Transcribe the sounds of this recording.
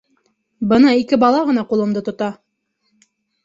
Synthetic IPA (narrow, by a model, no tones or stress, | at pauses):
bɤnɑikɘbɑlˠɑʁɤ̆nɑqulˠɤ̆md̪ɤt̪ŏt̪ɑ